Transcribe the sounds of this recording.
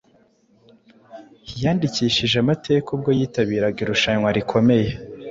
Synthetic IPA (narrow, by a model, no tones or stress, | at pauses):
jaːndiciːʃiʒeamatʰe̞ːkub̚ɡo̞jiːtaβiːɾaɡiɾuʃaɲŋwaɾikʰo̞me̞je